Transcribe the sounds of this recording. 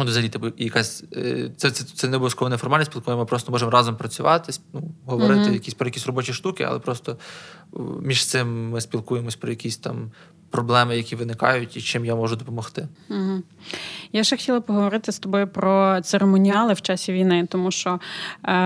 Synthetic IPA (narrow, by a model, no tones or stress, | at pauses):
ud̪ɔzɐlʲit̪ɛbijɐkɑsʲt̪sɛt̪sɛt̪sɛnɛuɐskɔʋɔnɛfɔrmɑlʲnʲsʲpʲilˠkuʋmɪpɾɔst̪ɔmɔʒɛmrɑzɔmpɾɐt͡sʲʊʋɑt̪ɪsnuɦɔʋɔɾɪt̪ɪjɐkʲisʲpɾɔjɐkʲisʲrɔbɔt͡ʃʲiʃt̪ukɪɐ̰lˠɛ̰pɾɔst̪ɔ | mʲiʃt̪sɪmːɪsʲpʲilˠkujemɔsʲpɾɔjɐkʲisʲt̪ɑm | pɾɔblˠɛmɪjɐkʲiʋɪnɪkɑ̰jʊtʲit͡ʃɪmjamɔʒʊd̪ɔpɔmɔxt̪ɪm̩ɦm̩ | jaʃɛxtʲilˠɐpɔɦɔʋɔɾɪt̪ɪst̪ɔbɔjʊpɾɔt̪seɾemɔnʲiɑlˠɪwt͡ʃɑsʲiʋʲijnɪt̪ɔmuʃt͡ʃɔ